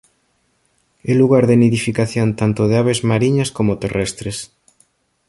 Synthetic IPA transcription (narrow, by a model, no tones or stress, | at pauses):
eluɣaɾðeniðifikaθjont̪ant̪oð̞eaβezmaɾiɲaskomot̪erɛst̪ɾes